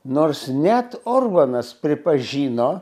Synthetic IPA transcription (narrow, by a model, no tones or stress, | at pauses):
noːrsnʲɛt̪oːrbɐnɐspʲɾʲɪpɐʒʲiːnoː